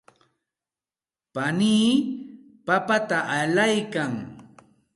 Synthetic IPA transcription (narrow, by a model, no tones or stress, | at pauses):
paniː | papat̪aʔaʎajkaŋ